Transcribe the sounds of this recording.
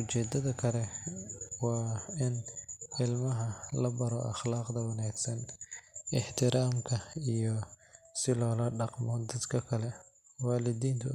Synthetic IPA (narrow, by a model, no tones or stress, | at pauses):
ʔʊt͡ʃɛːd̪ɐðɐkʰɐlɛ | wɑːɪnɪlmɐɦɐlɐbɐɾɔʔɑχlaːqd̪ɐwɑnaːɡsɐn | ɪħt̪ʰɪɾʔaːmkʰɐijɔ | sɪlɔːlɐɖɑqmɔd̪ɐd̪kʰɐkʰɐlɛ | waːlɪd̪iːnt̪ʰʊ̰